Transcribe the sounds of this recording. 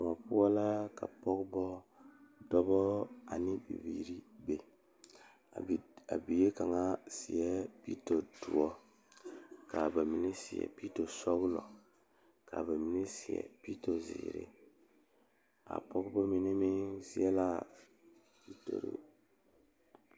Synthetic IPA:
ŋɔ˨pu˦wa˦la˦ka˨pɔ˦kbɔ˦ | dɔ˦bɔ˦a˨ni˦bḭ˨vi˨ɾi˦be˨ | a˨a̰˨bi˨je˦ka˨ŋa˦si˨ɛ˦pi˦to˨du˨ɔ˦ | ka˨ba˨mi˨ni˦si˨ɛ̰˨pi˦to˨sɔ˦ɡlɔ˨ | ka̰˨ba˨mi˨˦ni˦si˨ɛ̰˨pi˦to˨zḭː˨ɾḛ˦ | a̰˨pɔ˦kbɔ˦mi˨ni˦mi˦si˦ɛ˦la˦ | pi˦to̰˨ɾḛ˨

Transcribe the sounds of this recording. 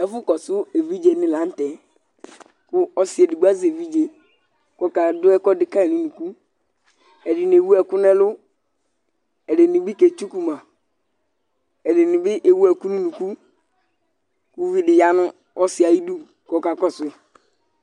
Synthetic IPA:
ɛ˦fʊ˦kɔ˨sʊ˦e˨vi˦d͡ʒe˨nɪ˦˨lã˨˦n̩˦tɛ˨ | kʊ˦ɔ˦si˨˦e˨di˨ɡ͡ba˦ze˨vi˦d͡ʒe˨ | kɔ˦ka˨dʊ˦ɛ˦kɔ˦dɪ˨ka˦ɛ˨nũ˦nu˨ku˦ | ɛ˨dɪ˨n˨e˨wu˦ɛ˨kʊ˦nɛ˦lʊ˦ | ɛ˨de˨ni˨bi˦ke˨t͡ʃu˦ku˨mã˨ | ɛ˨dɪ˨ni˨bɪ˦ʔe˨wu˦ɛ˨ku˦nũ˦nu˨ku˦ | ku˦vi˦dɪ˨ja˦nʊ˦ | ɔ˦si˨a˨ji˦du˦ | kɔ˦ka˨kɔ˦sʊ˦˨

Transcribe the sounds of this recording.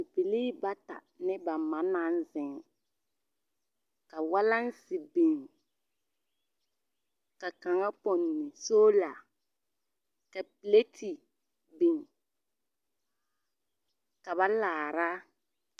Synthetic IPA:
pi˨li˦ba˦ta̰˨ | nɪ˦ba˨ma˨na˦n˦zɪ˨ŋ˨ | ka˨wa˦la˦n˦sɪ˨bi˨ŋ | ka˨ka˨ŋa˦pɔ˨nː˨ɪ˨soː˦la˨ | ka˨pi˨le˦ti˨ | bi˨ŋ | ka˨βa˦laː˨ɾa˦

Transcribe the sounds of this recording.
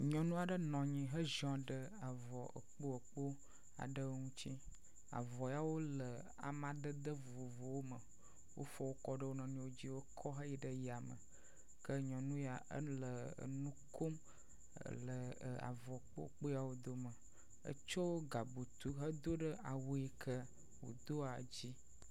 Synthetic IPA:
ɲɔ̃˨nũ˦a˨ɖə˦nɔ̃˨ɲĩ˨ɦə˦ʒɔ̃˦ɖə˦a˨vɔ˨ʔə̰˨k͡po˦ə˨k͡po˦ | a̰˨ɖə˦ŋũ˦t͡ɕi˦ | a̰˨vɔ˨ja˨wo˦lə˨ | a̰˨mã˨d̪ə˦d̪ə˦vo˨o˨vo˨wo˦mə˨ | wʔo̰˦fɔ˦wo˦kɔ˦ɖə˦wo˦nɔ̃˨ɲĩ˦wo˦d͡ʑi˦wo˦kʰɔ˦ɦə˦ji˦ɖə˦ja˨mə̰˨ | kə˦ɲɔ̃˨nũ˦ja˨ʔə̰˦lə˨ə̰˨nũ˦kʰo˦m | ə̰˨lə˨a̰˨vɔ˨k͡po̰˦ə̰˨k͡po˦ja˨wo˦d̪o˦mə˨ | ə̰˦t͡ʃo˦wɡa˨bu˨t̪u˦ɦə˦d̪o˦ɖə˦ʔa˨wo˦e˦kʰə˦ | wo̰˨d̪o˦a˨d͡ʑi˦

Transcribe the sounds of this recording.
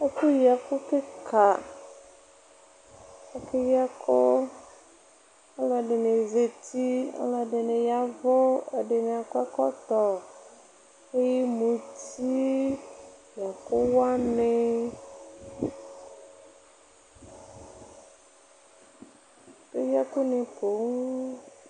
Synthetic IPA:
ɛ˦ku˦ja˨kʊ˦kɪ˦kʰa˨ | ɛ˨kɪ˦ja˦kʰʊ˦ | a˦lɔ˨ɖɪ˨ne˨ze˨ti˦a̰˦lɔ˨ɖɪ˨nɪ˨ja˨vʊ˦ɛ˨ɖɪ˨nɪ˨a˨kʊ˦a˦kɔ˦t̪ɔ˨ | e˦ji˦mũ˨ti˦ | ja˨kʊ˦wa˦nɪ˦˨ | ke˦ja˦kʊ˦nɪ˨po˨˦ŋ

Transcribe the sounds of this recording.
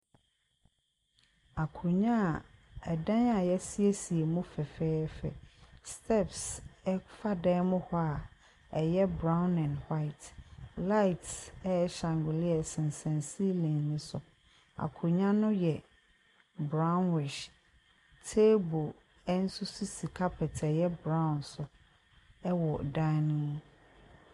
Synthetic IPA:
a˨kʰʊ˨ɲã˦˨ɛ˨dã˦na˨jɛ˦si˦e˦si˨e˨mũ˦fɛ˨fɛː˦fɛ̰˨stʰɛ˦˨psɛ˦fa˦dɛː˦mʊ̃˦hɔ˦a˨ | ɛ˨jɛ˦bɾã˦ʊ̃˦nɛ̃˨nha˦ɪ˨tla˦ɪ˨tɛ˦ɕã˨ŋɡʊ˨li˦ɛ˨sɪ̃˨n˨sɛ̃˨nsi˦lẽ˨nnɪ̃˦sʊ˨ | a̰˨kʰʊ˨ɲã˦nʊ̃˦jɛ˨ | bɾã˦ʊ˦nwɪ˨ʃ | tʰe˦bo˨ | ɛ˦n̩˦sʊ˦su˦si˨kʰa˦pʰɛ˨tʰɛ˨jɛ˦bɾã˦˨nsʊ˨ | ɛ˦wɔ˨dã˦nĩ˦

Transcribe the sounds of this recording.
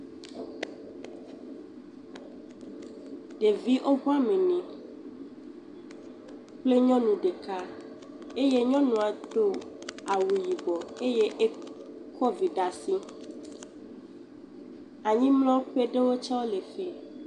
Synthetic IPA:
ɖe˨vi˦ʔo˦ɦu˦a˦mẽ˨nĩ˨ | k͡ple˦ɲɔ̃˦nũ˨ɖe˨ka˦ | e˦je˦ɲɔ̃˦nũ˨a˨d̪o˦a˨wu˨ji˨bɔ˨e˦je˦ʔe˦kʰɔ˦vi˨ɖa˨sĩ˦ | a˨ɲĩ˦mlɔ̃˦ɸe˦ɖe˦wo˦t͡ʃa˦wo˦le˨fi˦

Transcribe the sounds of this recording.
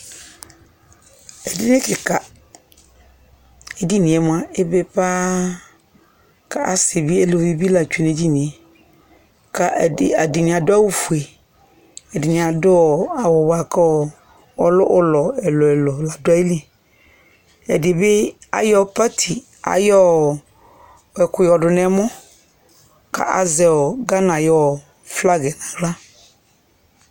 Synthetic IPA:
ɛ˨dɪ˦nɪ̃˦kɪ˨ka˨ | ɛ˨di˦nɪ̃˨ɛ˨mʊ̃˦ã˦e˦be˦pa˦ | kʰa˨ʔa˦se˨bi˦ɛ˦lo˨i˦bi˦la˨t͡ʃᶣu˨ne˨d͡ʒi˦nĩ˨ɛ˨ | kʰa˨ʔɪ˨a˨dɪ˨nɪ̃˨a˨dʊ˦a˦wʊ˨fu˨e˨ | ɛ˨dɪ˨nɪ̃˨a˨dʊ˦ɔ˨a˨wɔ˨wa˨ka˦ɔ˨ | ɔ˨lʊ˦ʔʊ˦lɔ˨ɛ˨lɔ˨ɛ˨lɔ˨la˨dʊ˦a˦ji˦li˦ | ɛ˨dɪ˨bɪ˦ | a̰˨jɔ˦pa˦tʰi˨ | a̰˨jɔ˦ | wɛ˨kʊ˨jɔ˨dʊ˨nɛ˨˦mɔ˦ | ka̰˨ʔa̰˨zɛ˨ɔ˨ɡa˦nã˨jɔ˦˨ | fla˦ɡɛ˨nã˨ɡla˦

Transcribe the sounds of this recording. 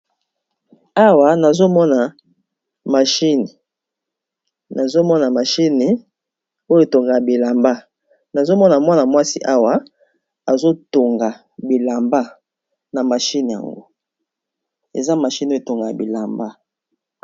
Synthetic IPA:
a˦wa˨na˨zo˦mɔ˦na˨ | ma˨ʃi˦ni˨ | na˨zo˦mɔ˦na˨ma˨ʃi˦ni˨ | o˦jo˦e˨to˨ŋɡa˨a˨bi˨la˨mba˦ | na˨zo˦mɔ˦na˨mwa˦na˨mwa˦si˦ʔa˦wa˨ | a˨zo˦to˨ŋɡa˨ | bi˨la˨mba˦ | na˨ma˨ʃi˦ni˨ja̰˨ŋɡo̰˦ | ḛ˨za˦ma˨ʃi˦n˨˦e˨to˨ŋɡa˨a˨bi˨la˨mba˦

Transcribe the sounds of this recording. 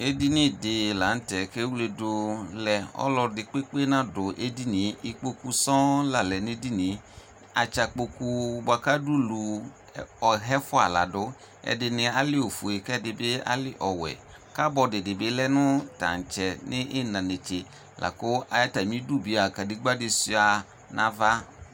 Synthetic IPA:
e˦di˦nɪ̃˦dɪ˨la˨˦n̩˦tɛ˨ke˦wu˦le˨dʊ˨lɛ˨ɔ̰˦lɔ˨dɪ˨k͡pe˦k͡pe˦nã˦dʊ˨ʔe˦di˦nĩ˨˦i˨k͡po˦ku˦sɔ̃˦la˨lɛ˨nɪ̃˦di˦nɪ̃˨˦ | a̰˨t͡ʃa˨k͡po˨ku˦ba˨ka˦du˦lu˨ | ɔ˨ɦɛ˦fʊ˦a̰˨la̰˨dʊ˦ | ɛ̰˨dɪ˨nɪ̃˨a˨lɪ˦o˨fu˨e˨kɛ˦dɪ˨bɪ˦a̰˦lɪ˦ʔɔ˨wɛ̰˨ | ka˦bɔ˨dɪ˨dɪ˨bɪ˨˦lɛ˦nʊ̃˦ta̰˨n˨t͡ʃɛ˨nɪ̃˦ʔɪ˦nã˨ne˨t͡ʃe˨ | lʔa̰˨kʊ˦ʔa˨ja˦ta˨mĩ˦du˦bi˨a˨ka˨dɪ˦ɡ͡ba˦dɪ˨si˦a˨ | nã˦va˦

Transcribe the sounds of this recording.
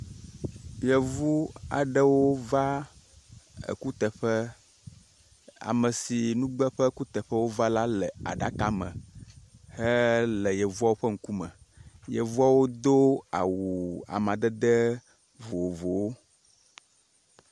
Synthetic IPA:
bi˨ɛ˨vu˦a̰˨ɖə˦wo˦va˦ | ḛ˨ku˦t̪ɛ˨ɸə˦ | a̰˨mə˨si˨nũ˦ɡ͡bɛ˦ɸə˦ku˦t̪ɛ˨ɸə˦wo˦va˦la˦lɛ˨a̰˨ɖa˦ka˨˦mə̰̃˨ | hɛ˦lɛ˨jɛ˨vu˦a˦wo˦ɸə˦ŋ̩˦ku˦mə̰˨ | jɛ˨vu˦a˦wo˦d̪o˦a̰˨wu˨a̰˨mã˨d̪ɛ˦d̪ə˦ | vo˨o˨vo˨wo˦

